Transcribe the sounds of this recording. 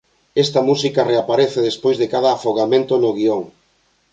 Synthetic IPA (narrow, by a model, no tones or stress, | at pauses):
ɛst̪ɐmusikareapaɾeθeðespojzðekaðɐːfoɣamẽnt̪onoɣioŋ